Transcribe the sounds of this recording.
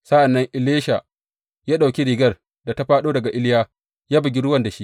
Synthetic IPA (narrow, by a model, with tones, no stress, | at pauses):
sa˦ʔa˨nːɐ˦ŋʔɪ˨leː˦ʃa˨ | jaː˦ɗa˨wkʲi˦ɾiː˨ɡɐ˦r | da˨ta˦ɸaː˦ɗoː˦dɐ˨ɡa˨ʔɪ˦lɪ˦jaː˦ | jaː˦bɐ˨ɡʲi˦ɾʊ˦wɐ˦˨nda˨ʃi˦